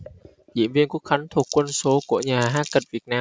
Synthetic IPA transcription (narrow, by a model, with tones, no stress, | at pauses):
zḭ˧˨əmvi˧ənku˦˥ək̚xa˨˦ŋt̪ʰu˨˩əkːwə˧nso˨˦ku˧˩əɲaː˨˩ɦaː˦˥t̚kə˨˩t̚vi˨˩ət̚naː˧